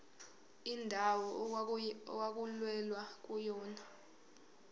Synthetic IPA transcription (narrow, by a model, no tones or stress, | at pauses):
indʱawɔ | ɔwak̬ʼulwɛlwak̬ʼujɔːna